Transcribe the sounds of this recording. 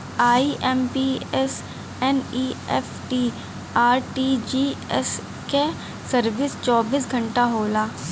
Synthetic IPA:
aːiʔɛːmpiɛs | ɛniːɛfʈiː | aːɾʈid͡ʒiːɛs | ke | səɾʋɪst͡ʃɔːbiːs̬ɡʱɐ̃ɳʈaɦoːlaː

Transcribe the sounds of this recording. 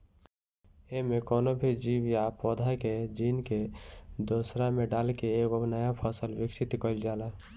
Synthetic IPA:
emẽkoːnobʱid͡ʒiːwjapoːd̪ʱaked͡ʒiːnked̪oːsɾameɖaːlkeeːɡonəjapʰəsəlwɪksɪt̪kəld͡ʒaːla

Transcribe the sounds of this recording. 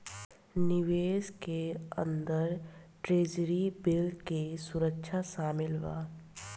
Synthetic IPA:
nɪʋeːskeə̰̃nd̪əɾʈɾeːd͡ʒɾibɪlkesʊɾəkʃʰaʃaːmɪlʋa̰ː

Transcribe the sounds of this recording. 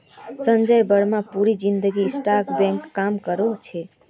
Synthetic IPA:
sənd͡ʒəjbəɾmapuɾid͡ʒind̪əɡisʈaɾkbɛ̃ŋkːamkəɾot͡ʃʰɛ

